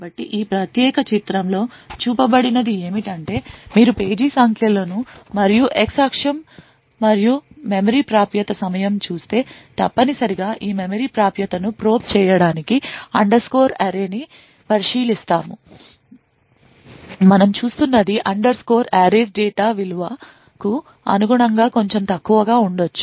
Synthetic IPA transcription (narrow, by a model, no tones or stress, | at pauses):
bɐʈːiʔiːpɾɐt̪jɛːkɐt͡ʃit̪ɾɐmlo̞ːt͡ʃuːpɐbɐɽinɐd̪ie̞ːmiʈɐɳʈe̞ːmiːɾupe̞ːd͡ʒiːsaːŋkilɐːnumɐɾijuʔeksaːkʂɐmː | ɐɾijumemɐɾiːpɾaːpjɐt̪ɐsɐmɐjɐmt͡ʃuːst̪e̞ːt̪ɐpːɐnisɐɾiɡaːʔiːmemɐɾiːpɾaːpjɐt̪ɐnupɾo̞ːpt͡ʃɛːjɐɽaːnikiɐ̰ɳɖɐɾskoːɾaːɾeːni | pɐɾiʂiːlist̪aːmu | mɐnɐmt͡ʃuːst̪unːɐd̪iʔɐɳɖɐɾsko̞ːɾaːɾeːɾɖɛːʈaːʋiluʋa | ku | ɐ̰nuɡuɳɐŋɡaːko̞ɲt͡ʃe̞mt̪ɐkːuʋɐɡaːuɳɖot͡ʃːu̥